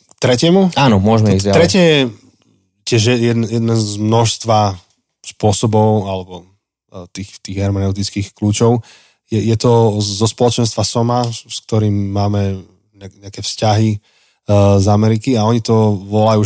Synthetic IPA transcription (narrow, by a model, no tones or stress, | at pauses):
kt̪ɾɛcɪɛmuaːnɔmʊɔʒmɛɛizat̪ɾɛcɛjɛ | cɪɛʒjɛjɛd̪njɛd̪nazmnɔʃst̪ʋa | spʊɔsɔbɔʊalɛbɔ | t̪iːxt̪iːɣɦɛɾmanɛʊt̪it͡skiːxkluːt͡ʃɔʊ | jɛjɛt̪ɔzɔspɔlɔt͡ʃɛnst̪ʋasɔmask̚t̪ɔɾiːmːaːmɛ | ɲɛɲɛakɛfscaɦi | zamɛɾikiaɔɲit̪ɔʋɔlajuː